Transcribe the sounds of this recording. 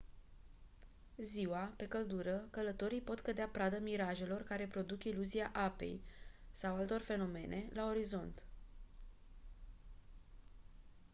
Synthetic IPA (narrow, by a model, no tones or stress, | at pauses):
ziwape̞kəld̪uɾəkələt̪o̞ɾijpo̞t̪kəd̪eapɾad̪əmiɾaʒe̞lo̞rkaɾe̞pɾo̞d̪ukiluziaʔape̞̰jsawalt̪o̞rfe̞no̞me̞̰nʔe̞̰lao̞ɾizo̞nt̪